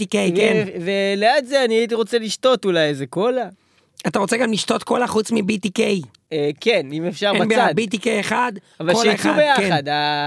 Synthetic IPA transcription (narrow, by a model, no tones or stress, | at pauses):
ikejenveleat̪zeaniait̬iʁo̞t͡seliʃtotulajezeko̞la | ataʁo̞t͡seɡamliʃto̞tko̞laχut͡smibit̪ikej | ekenimefʃaʁbabad̪bit̬ikejeχad | avalkolieχuadbejakead̪a